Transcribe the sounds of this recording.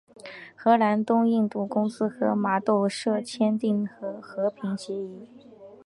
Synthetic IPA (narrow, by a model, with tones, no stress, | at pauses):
xɤ˧˥la˧˥nt̪ʊ˥ŋi˥˧ŋt̪u˥˩kʊ˥ŋsɹ̩˥xɤ˧˥ma˧˥t̪o˥˧ʊʂɤ˥˧t͡ɕʰjɛ˥nt̪i˥˩ŋxɤ˧˥xɤ˧˥pʰi˧˥ŋɕjɛ˧˥i˧˩